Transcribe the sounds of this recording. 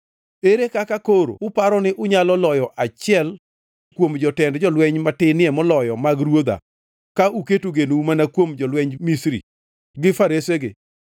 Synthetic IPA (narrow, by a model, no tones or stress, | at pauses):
eɾekakakoɾo̰ʊpaɾɔnɪʔʊɲalɔlɔjɔʔat͡ʃɪɛl | kwomd͡ʒɔtɛndd͡ʒɔlwɛɲmatɪnɪɛmɔlɔjɔmaɡɾwod̪a̰ | kauketuɡenumanakwomd͡ʒɔlwɛɲmisɾḭ | ɡɪfaɾeseɡɪ̰